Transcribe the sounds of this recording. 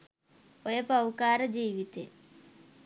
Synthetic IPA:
ojɐpɐwkaːɾɐd͡ʑiːʋit̪ːḛ

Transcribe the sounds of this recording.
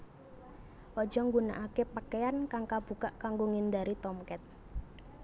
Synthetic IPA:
ʔɔd̥ʒ̥ɔ̤ŋɡuna̰ʔakepakeankaŋkab̥ṳkaʔkaŋɡoŋind̪aɾit̪ɔmkɛt̪̚

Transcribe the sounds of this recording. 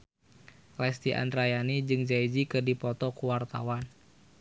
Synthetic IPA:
lɛst̪iʔa̰ndɾajanid͡ʒɨŋd͡ʒaid͡ʒikɨrdipɔt̪ɔkuwart̪a̰wan

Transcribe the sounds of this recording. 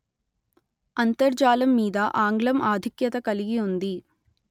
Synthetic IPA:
ɐnt̪ɐɾd͡ʒaːlɐmːiːd̪ɐʔaːŋɡɭɐmʔaːd̪ʱikjɐt̪ɐkɐliɡiund̪i

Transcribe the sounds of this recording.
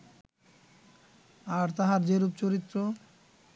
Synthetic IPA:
aɾt̪aɦaɾd͡ʑeɾup̚t͡ɕoɾit̪ːɾo

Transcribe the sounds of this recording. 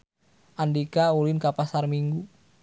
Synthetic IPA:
ʔandikaulinkapasarmiŋɡu

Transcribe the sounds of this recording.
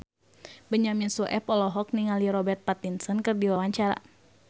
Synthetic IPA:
bəɲaminsuʔɛpɔlɔɦɔk̚niŋaliɾɔbɛrt̪̚pat̪insɔnkɨrdiwawaɲt͡ʃaɾa̰

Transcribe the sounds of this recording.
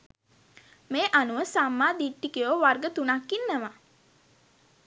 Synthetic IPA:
meːʔanuʋəsamːaːd̪iʈːikijoʋarɡət̪unakːinːəma

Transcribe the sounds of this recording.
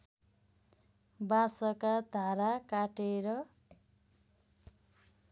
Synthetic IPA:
bãsʌkad̪ʱaɾakaʈeɾʌ

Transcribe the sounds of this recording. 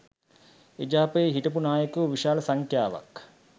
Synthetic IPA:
ed͡ʒaːpəeɦiʈəp̬unaːjəkuʋiʃaːlɐsaŋkʰjaːʋa̰k

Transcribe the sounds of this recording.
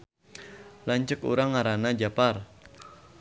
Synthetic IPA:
laɲt͡ʃəkṵɾaŋːaɾanad͡ʒapar

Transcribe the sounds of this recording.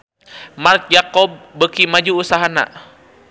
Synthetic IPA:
mark̪̚d͡ʒakɔb̚ːəkimad͡ʒuːsaɦana̰

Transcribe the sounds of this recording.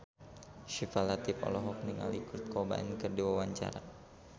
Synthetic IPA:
ʃifalat̪ipɔ̰lɔɦɔk̚niŋa̰likurt̪̚kɔba̰ɛnkərdiwawaɲt͡ʃa̰ɾa̰

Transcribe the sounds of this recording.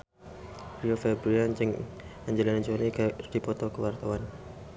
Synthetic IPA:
pɾiofebɾuant͡ʃɪŋ | aɲd͡ʒelanaɲd͡ʒonikad̥ipɔt̪ɔkəwart̪awan

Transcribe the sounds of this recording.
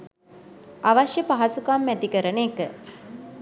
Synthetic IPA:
ʔaʋɐʃjəpaɦɐsukamːæt̪ikəɾəneːkə

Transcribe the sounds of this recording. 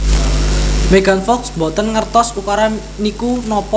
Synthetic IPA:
meɡanfɔksbɔt̪ənŋərt̪ɔsukaɾa | nikunɔpɔ

